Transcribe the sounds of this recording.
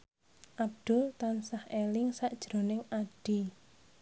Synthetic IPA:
ʔab̚d̪̥ʊ̤lt̪ansahelɪŋsaʔd̥ʒ̥ɾo̤nɪŋaɖ̥i

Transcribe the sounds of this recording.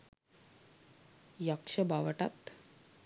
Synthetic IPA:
jakʂəbaʋəʈa̰t̪

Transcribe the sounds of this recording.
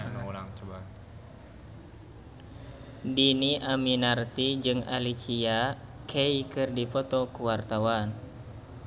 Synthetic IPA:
nulaŋt͡ʃəbat̪ | diniʔaminart̪id͡ʒɨŋa̰lit͡ʃiakʰeikɨrdipɔt̪ɔkuwart̪awan

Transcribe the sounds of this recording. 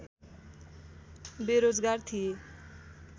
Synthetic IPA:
beɾod͡zɡart̪ʰije

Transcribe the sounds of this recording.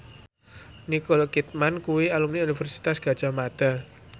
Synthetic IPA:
nikolkit̪̚mankuwialumniunifɛrsi̥t̪asɡ̥a̤d̥ʒ̥a̤mad̪̥a̤

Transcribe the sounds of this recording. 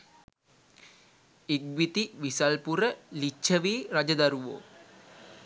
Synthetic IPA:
iɡʋit̪iʋisalpuɾəlit͡ʃʰːəʋiːrad͡ʒəd̪aɾuʋo̰ː

